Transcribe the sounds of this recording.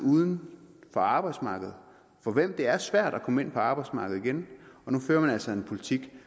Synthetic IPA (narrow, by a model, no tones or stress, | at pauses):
uːðˠən̩fɒ̽ɑ̈ːb̥ɑ̈ɪ̥smɑ̈ːɡ̥əð̞̩ˠ | fɒ̽ʋem̰d̥e̝æɐsʋæɐ̰d̥ækʰɒ̽məe̝n̰pʰɒɑ̈ːb̥ɑ̈ɪdsmɑ̈ːɡ̥ð̩ˠiɡ̥enɒ̽nuføːɐmænæl̰sɒe̝npʰo̝lit͡sʰiɡ̥